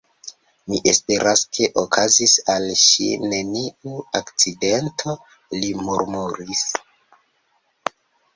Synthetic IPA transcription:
miʔe̞spe̞ɾʔaskʰe̞ʔokʰazisalʃḭne̞niuakt͡side̞ntʰo̞ | limuɾmuɾis

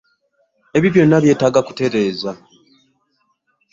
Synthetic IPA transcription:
e̞βiβjo̞nːaβje̞ːtaːɡaku̥te̞ɾe̞ːza

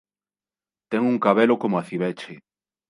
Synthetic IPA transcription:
t̪eŋuŋkaβelokomoaθiβet͡ʃe

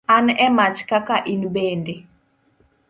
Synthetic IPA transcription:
anɛmat͡ʃkakaʔinbende

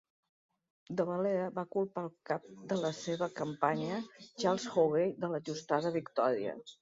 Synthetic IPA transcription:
d̪əβəleəβakulˠpalˠkap̚d̪ələseβəkəmpaɲət͡ʃalˠsxoɣejðələʒust̪aðəβikt̪ɔɾiə̰

